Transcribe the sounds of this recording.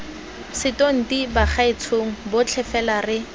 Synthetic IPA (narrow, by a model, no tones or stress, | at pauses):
sɪtoŋ̩dibaχaɪt͡sʰoŋ̩bʊt͡ɬʰɛfɛlarɪ